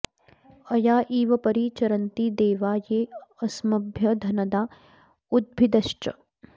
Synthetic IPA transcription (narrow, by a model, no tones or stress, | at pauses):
ɐjaːʔiːʋɐpɐɾiːt͡ʃɐɾɐnt̪iːd̪eːʋaːjeːɐsmɐbʱjɐd̪ʱɐnɐd̪aː | ud̪̚bʱid̪ɐʃʈɐ